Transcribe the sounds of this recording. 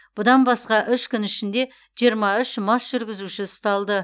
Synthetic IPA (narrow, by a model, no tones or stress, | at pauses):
b̥ʊd̪ɑnbɑsqɑʔʏʃkʲʏnɪʃɪnd̪e̞ | ʒ̥ijəɾmɑʏʃmɑsʒ̥ʏɾɡʲɪzuʃɪst̪ɑlˠd̪ə